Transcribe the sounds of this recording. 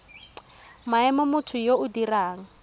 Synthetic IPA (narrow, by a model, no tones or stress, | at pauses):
maɛmɔmʊtʰʊjoʊdiraːŋ̩